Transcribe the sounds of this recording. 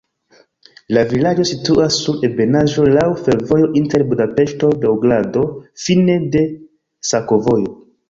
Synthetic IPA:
lavilad͡ʒo̞situʔasːuɾe̞be̞naʒo̞lawfe̞ɾvo̞jo̞ʔinte̞ɾbudape̞ʃto̞de̞uɡlado̞fine̞de̞ | sako̞vo̞jo̞

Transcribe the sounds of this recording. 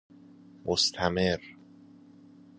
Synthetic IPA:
mʔost̪ʰæmeɾ

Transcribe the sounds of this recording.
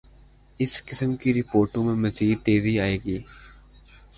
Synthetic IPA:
ɪskɪsəmkiɾɪpoːɾʈõmẽmɐziːd̪̚t̪eːziaːeːɡiː

